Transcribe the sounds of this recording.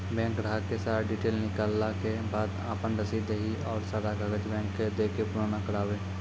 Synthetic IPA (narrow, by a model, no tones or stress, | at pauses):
bɛ̃ːŋkɾəakesaːɾaɖiːʈeːlnɪkaːlːakebaːd̪a̰ːpənɾəsiːd̪eɦiɔːɾsaːɾaɡəɡəd͡ʒbɛ̃ːkːed̪eːkepʊɾaːnakəɽaːʋeː